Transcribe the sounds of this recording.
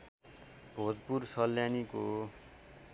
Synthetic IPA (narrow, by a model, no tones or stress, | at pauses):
bʱod͡zpursʌlːjaniko